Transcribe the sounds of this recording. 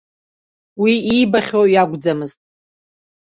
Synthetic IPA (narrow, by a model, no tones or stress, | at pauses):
wiibaχʲojaɡʷd͡zamɨztʼ